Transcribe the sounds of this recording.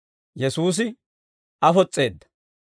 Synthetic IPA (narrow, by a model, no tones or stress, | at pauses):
jɛsuːs̬ɪ | ɐfɔt͡sʼːeːd̪ːɐ̥